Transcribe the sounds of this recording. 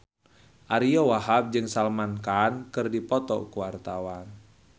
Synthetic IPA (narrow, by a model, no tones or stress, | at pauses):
ʔaɾiɔwaɦap̚d͡ʒɨŋsalmankankɨrdipɔt̪ɔ̰kuwart̪awan